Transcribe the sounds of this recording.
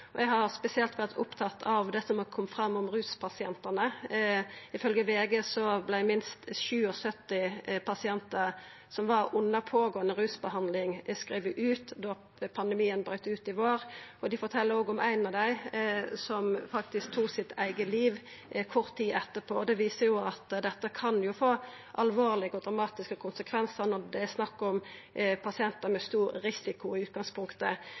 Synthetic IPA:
ɔɛɡɦɑɾspɛsɪɛlt̪ʋæʁt̪ʰʊpt̪ʰɑt̪ːʰɑʋd̪ɛsɔmɑkʰɔmːfʁɑmːɔmʁʉːspʰɑsɪɛnt̪ənə | ɪfœlɡəʋeːɡəsɔblæɪmɪnst̪ʃʉːɔsœt̪ːɪpʰɑsɪɛnt̪ə | sɔmʋɑʁʊnːəpʰoːɡoːənəɾʉːsbəhɑnd̪lɪŋskɾeːʋəʔʉːt̪d̪ɔ | pʰɑnd̪ɛmiːənbɾœʏt̪əʉːt̪ɪʋoːɾɔd̪ɪfɔɾt̪ʰɛlːəɾoːɡɔmʔæɪnɑʋd̪æɪsɔmfɑkt̪ɪsk̚t̪ʰuːksɪt̪æɪɡəliːʋ | kʰɔʁt̪ʰːiːʔɛt̪ːəpʰoːɔd̪ɛʋiːsəjʊɑt̪d̪ɛt̪ːəkʰɑnjʊfoː | ʔɑlʋoːʁlɪɡəɔd̪ɾɑmɑːt̪ɪskəkʰʊnsəkʰʋɛnsənɔd̪ɛæsnɑkːɔmpʰɑsɪɛnt̪əmɛst̪uːɾːɪsɪkʊɪʉːt̪̚ɡɑŋspʰʊŋkt̪ə

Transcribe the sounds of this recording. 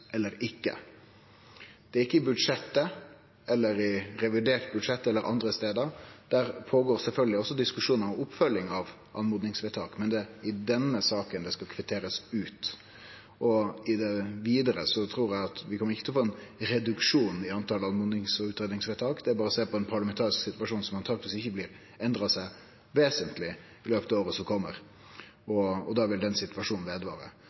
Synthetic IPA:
ʔɛlːəɾɪkːə̰ | d̪̥ɛæɾɪkːəɪbʉd̪ʂɛt̪ːə | ʔɛlːəɾɪɾɛʋɪd̪eːɾt̪̚bʉd̪ʂɛt̪ːɛlːəɾʔɑ̰nd̪ɾəst̪eːd̪əɾd̪̥æːɾpʰoːɡoːɾsɛlfœlɡəlɪɔsːɔd̪ɪskʉʂuːnəɾɔmʊpfœljɪŋɑʋ | ʔɑ̰nmuːd̪nɪŋsʋɛt̪ʰɑːkmɛnd̪ɛɪd̪ɛnːəsɑːkənd̪ɛskɑkʰʋɛt̪ʰeːɾəsʉːt̪ | ʔɔɪd̪ɛʋiːd̪əɾəsɔt̪ʰɾuːɾæɑt̪ʋɪkʰɔməɾɪçːət̪ʰlɔfoːɛnɾɛd̪ʉkʂuːnɪɑnt̪ʰɑləɑnmuːd̪nɪŋsɔʉːt̪ɾeːd̪nɪŋsʋɛːt̪ʰɑːkd̪ɛæɾbɑːɾɔseːpɔɛnpʰɑɾlɑmɛnt̪ʰɑːɾɪsksɪt̪ʉʋɑʂuːnsɔmɑnt̪ʰɑːɡ̚t̪ʋɪsɪçːəblɪːɾ | ɛnd̪ɾɑsæɪ | ʋeːsənt̪lɪ | ɪløːpət̪ɑʋoːɾəsɔmkʰɔmːəɾ | ɔɔd̪ɑʋɪld̪ɛnsɪt̪ʋɑʂuːnn̩ʋeːd̪əʋɑ̰ːɾə̰

